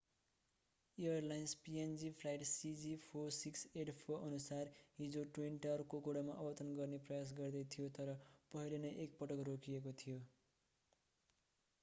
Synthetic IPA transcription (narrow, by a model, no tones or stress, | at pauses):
ijʌrlajnspiend͡zipʰlajʈsid͡zipʰosikseʈpʰoʔʌnusarɦid͡zoʈwinʈʌʌɾukokoɽamaʔʌbʌt̪ʌnɡʌrneprʌjas̬ɡʌrd̪ʌjt̪ʰijot̪ʌɾʌpʌɦilenʌjʔek̚pʌʈʌkrokʰijekot̪ʰijo